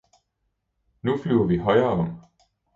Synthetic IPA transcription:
nuflyʊɐʋiɦɒ̽ɪɐːɒ̽m̰

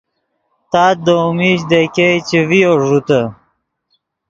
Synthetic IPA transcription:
t̪aːd̪omiɕ̬d̪ekejt͡ɕevijoʐut̪ə

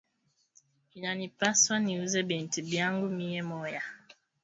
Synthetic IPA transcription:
inanipaswaniuzɛbɛntibjaŋɡumijɛmɔja

